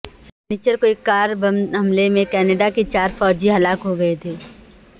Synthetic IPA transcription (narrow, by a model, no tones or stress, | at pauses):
sɛniːt͡ʃəɾkoekːaːɾbɐmɦɐmlemẽkɛːneːɖakit͡ʃaːɾfɔːd͡ʒiɦɐlaːkɦoɡɐet̪ʰeː